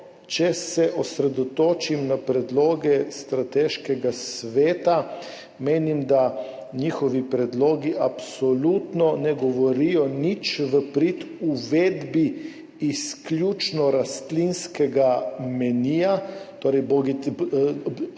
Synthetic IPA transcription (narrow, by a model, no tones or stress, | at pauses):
t͡ʃɛsɛʔɔsɾɛd̪ɔt̪oːt͡ʃimnapɾɛd̪loːɡɛst̪ɾat̪ɛʃkɛɡasʋeːt̪a | meːnimd̪a | nixɔʋipɾɛd̪loːɡiʔapsɔlut̪nɔnɛɡɔʋɔɾijɔnit͡ʃʋəpɾit̪ | uʋeːd̪biː | sklʲjut͡ʃnɔɾast̪linskɛɡamɛniːjat̪oːɾɛjbɔɡi